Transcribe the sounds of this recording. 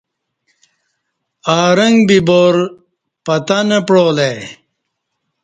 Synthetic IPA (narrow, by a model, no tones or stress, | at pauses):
aːɾɐŋɡbiboɾ | pɐt̪anɐpɽoːle